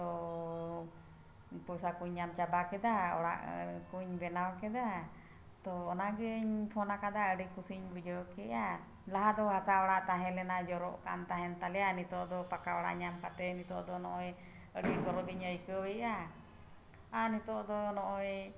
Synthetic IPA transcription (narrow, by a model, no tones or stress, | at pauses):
t̪ɔ | pusakuɲːamt͡ʃabakɛd̪aɔ̰ɽa̰ʔkuɲbɛnawkɛd̪a | t̪ɔːnaɡiɲpʰɔnakad̪aəɖikusiɲbud͡ʒɔkɛʔa | laɦad̪ɔɦasaɔɽaʔt̪aɦɛ̃lɛnad͡ʒɔɾɔʔka̰nt̪aɦɛnt̪alɛjanit̪ɔʔd̪ɔpakaɔɽa̰ʔɲamkat̪ɛnit̪ɔʔd̪ɔnɔʔɔj | əɖiɡɔɾɔɡiɲəjkəwɛʔa | anit̪ɔʔd̪ɔnɔʔɔj